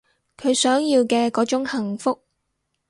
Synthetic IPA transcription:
kʰɵ˨˧ɥsœː˨˥ŋjiː˧wkɛː˧kɔː˨˥t͡ʃʊ˨˥ŋhɐ˨˩ŋfʊ˥k̚

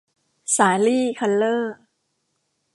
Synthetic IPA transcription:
saː˩˦liː˥˩kʰa˧llɤː˥˩

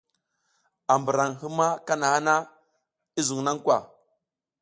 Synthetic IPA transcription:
a˨mbə˨ɾa˨ŋɦi˦ma˦ka˦na˨ha˦na˦ | i˦zu˨ŋna˦ŋkwa˨

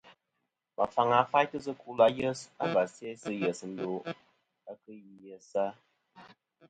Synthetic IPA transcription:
ma˨fa˨ŋa˨˦fa˦jtɨ˦sɨ˦ku˦la˦jə˦sa̰˨ba˨se˦sɨ˦jə˨sn̩˦do˨ | a˦kɨ˦ji˨jə˨sa˦

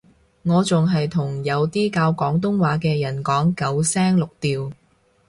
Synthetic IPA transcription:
ŋɔː˨˧t͡sʊ˨ŋɦɐ˨jt̪ʰʊ˨˩ŋjɐ˨˧wt̪iː˥kaː˧wkɔː˨˥ŋt̪ʊ˥ŋwaː˨˥kɛː˧jɐ˨˩nkɔː˨˥ŋkɐ˨˥wsɛː˥ŋlʊ˨k̚t̪iː˨w

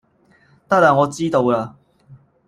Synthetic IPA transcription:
t̪a˥˩la˨˩ŋɔ˨˧˦t͡si˦t̪o˧la˧

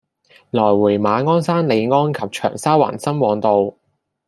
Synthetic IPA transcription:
lɔː˨˩jwuː˨˩jmaː˨˧ŋɔː˥nsaː˥nle˨˧jŋɔː˥nkʰɐ˨p̚t͡ʃʰœ̰ː˨˩ŋsaː˥wa̰ː˨˩nsɐ˥mwɔː˨˧ŋt̪o˨˧w

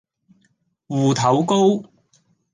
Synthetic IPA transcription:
wuː˨˩t̪ʰɐ˨˥wko˥w

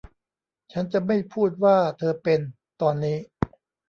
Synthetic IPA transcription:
t͡ɕʰa˦˥nt͡ɕa˨˩ma˥˩jpʰuː˥˩t̪̚waː˥˩t̪ʰɤː˧pe˧n | t̪ɔː˧nːiː˦˥

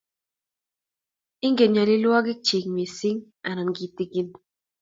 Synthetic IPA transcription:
i˦ŋɡe˨ɲa˨li˦lu˦a˦ɡi˦k̚t͡ʃi˨kmi˨si˦ŋ | a˨na˨ŋɡi˨t̪iki˦n

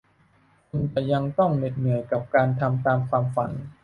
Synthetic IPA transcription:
kʰu˧nt͡ɕa˨˩ja˧ŋt̪ɔ˥˩ŋne˨˩t̪̚nɯ˨˩˦əjka˨˩p̚kaː˧nt̪ʰa˧mt̪aː˧mkʰwaː˧mfa˩˦n

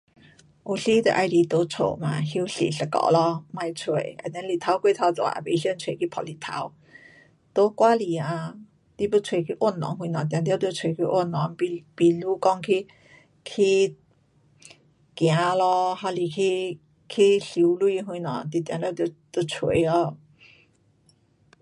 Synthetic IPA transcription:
u˨˩ɬi˧˦t̪ə̰˨ʔa˧jli˧˩t̪o˧˦t͡sʰo̰˨mã̰˨hi˧˦wɬḭ˨ɬə˨˧˩kɔ̰˧˨lɔ˧mã˧jt͡sʰwe˨˩˦ə̰˨nd̪ɛ˧˦nli˨t̪ʰa˧˦wke˥˧˨t̪ʰa˧˩t͡sɔ̰˨a̰˧˩be˧ɬjnt͡sʰwe˨kʰi˦pʰɔ˨˧˩li˨˩t̪ʰa̰˧˦w | t̪o˧˦kwa˦li˨˩a˧ | t̪i˧bə˧t͡sʰwe˨kʰi˧˦ʔwo˥˨nːɔ̰˨˦ŋhwĩ˧nɔ̃˨˩t̪̬jã˨˩t̪ja˧˦t̪jo˧t͡sʰwe˨kʰi˧˦ʔo˥˨nɔ˧˦ŋpi˧pi˨lu˦kɔ˧ŋkʰi˧ | kʰi˧ | kj̃ã˨˦lɔ˧ha˧˩li˨˩kʰi˧ | kʰi˧ɬi˧˦wlu˧i˧˦ɦwĩ˧nɔ̰̃˨˦ŋt̪i˧˨˩t̪jã˨t̪ja˥˧˦t̪o˧˩t̪o˧t͡sʰwe˧˨˩ɔ˧

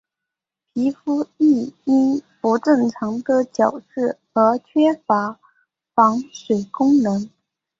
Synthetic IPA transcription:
pʰi˧˥fu˥i˥˩i˥nfu˧˥ʈ͡ʂɤ˥˩ŋʈ͡ʂʰɑ˧˥ŋd̪ə˧t͡ɕjɑ˨˩ʊʂɻ̩˥˩xɤ˧˥t͡ɕʰɥɛ˥fa˧˥ | fɑ˧˥ŋʂwe˨˩ɪkʊ˥ŋnɤ˧˥ŋ

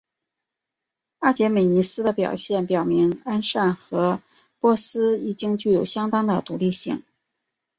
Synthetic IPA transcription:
a˥˩t͡ɕjɛ˧˥me˨˩ɪni˧˥sɹ̩˥d̪ə˨pjɑ̰˨˩ʊɕjɛ˥˩npjɑ˨˩ʊmi˧˥ŋa˥nʂa˥˩nxɤ˧˥ | pwɔ˥˩sɹ̩˥i˨˩t͡ɕi˥ŋt͡ɕy˥˩jo˨˩ʊɕjɑ˥ŋt̪ɑ˥ŋd̪ə˨t̪u˧˥li˥˧ɕi˥˩ŋ

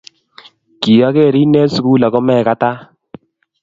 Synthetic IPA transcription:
ki˨a˦ke˦˨ɾi˦ne˦su˨ku˦la˨kɔ˦mɛ˦˨ka˦ta˦

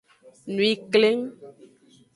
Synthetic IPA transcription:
nũ˨i˨kle˦ŋ

